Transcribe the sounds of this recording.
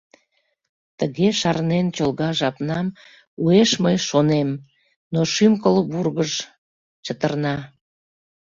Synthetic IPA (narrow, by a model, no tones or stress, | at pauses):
t̪əɣeʃɑrnent͡ɕolˠɣɑʒɑpnɑm | ueʃməjʃonem | noʃymkəlβurɣəʒ | t͡ɕət̪ərnɑ